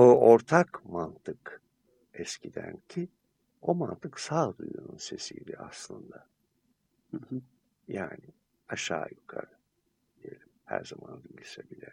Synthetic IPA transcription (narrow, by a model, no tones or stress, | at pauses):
ooɾt̪ʰakmant̪ʰɯk | ɛscʰid̪æncʰi | o̞mant̪ʰɯksaːd̪ujununse̞sijlʲɛaslˠɯnd̪a | hɯh | jaːnɪ | aʃaːjukʰa̰ɾɯ | d̪ije̞lʲimhæ̰ɾzamand̪iɟisɛbilʲɛ